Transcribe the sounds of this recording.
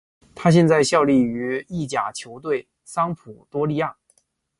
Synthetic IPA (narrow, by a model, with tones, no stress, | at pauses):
t̪ʰa˥ɕjɛ˥˧nt͡sa˥˧ɪɕjɑ˥˧ʊli˥˩y˧˥i˥˩t͡ɕja˨˩t͡ɕʰjo˧˥ʊt̪we˥˩ɪ | sɑ˥ŋpʰu˨˩t̪wɔ˥li˥˧a˥˩